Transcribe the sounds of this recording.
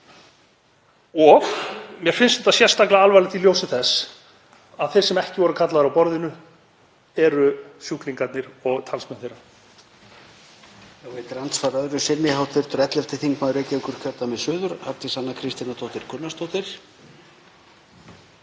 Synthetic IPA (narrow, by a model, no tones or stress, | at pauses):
ɔɣmjɛɾ̥fɪnsnɛt̪asjɛɾ̥st̪aklaalvajlɪt̪ʰɪljowsɪθɛs | aðθɛ̥sɛmɛhcɪvɔɾʏkʰat̪laðɾawpɔɾðɪnʏ | ɛɾʏsjuhkliŋkat̪nɪɾɔɣt̪ʰalsmɛnθeɾːa | θawveːt̪ɪɾant̪sfaɾœðɾʏsɪnnɪɦawt̪ʰfɪɾ̥t̪ʏɾɛt̪lɛft̪ɪθiŋkmaːðʏɾejcɪɪŋkʏɾ̥cʰœt̪amɛðsʏːðʏɾaɾt̪ɪsanːakʰɾɪst̪inast̪ʰowht̪ɪɾ̥kʰʏnːast̪ʰowht̪ɪɾ̥